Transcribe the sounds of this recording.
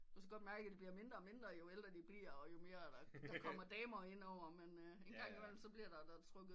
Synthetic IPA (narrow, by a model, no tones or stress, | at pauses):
koskæɡɒ̽d̥mæɐɡə̥æd̥eb̥liɐme̝nd̥ʁɐ̽ːme̝nd̥ʁɐjo̝el̰d̥ʁɐd̥ib̥liɐ̰ɒ̽jo̝me̝ːɐd̥ɑd̥ɑkʰɒ̽m̰ɐd̥ɛːmɐːe̝n̰ɒʊ̰ɐmenenɡɑ̈ŋ̰imel̰m̩sɒ̽b̥liɐd̥ɑ̈d̥ɑt͡sʰʁœɡ̥ð̩ˠ